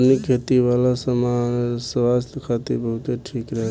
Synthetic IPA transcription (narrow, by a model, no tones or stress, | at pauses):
nikʰet̪iʋalasəmasəʋast̪kʰat̪iɾbəɦut̪eʈʰikɾəɦɛ